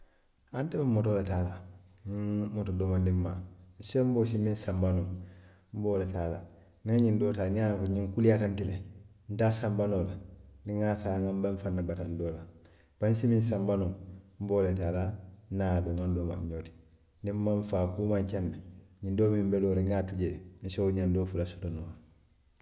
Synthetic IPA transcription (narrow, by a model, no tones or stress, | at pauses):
antɛbemːɔtoletaːla | ɲiŋmotodoːmandimman̩sem̩boːs̬imĩnsambanoŋ | m̩boːletaːla̰ | ŋaŋɲindoːtaːniakuɲĩŋkulijatantile | n̩taːsambanoːlandiŋataːŋambaɱfanːabatandoːla | b̥ansimĩns̬ambanom̩boːletaːlanaːbemandoma̰ɲɲoːti̥ | ndimmaɱfaːkuːmaɲt͡ʃanːeɲĩndoːmĩmbɛloːɾiŋaːtuɟen̩sewoɲandoːfulasu̥tonoː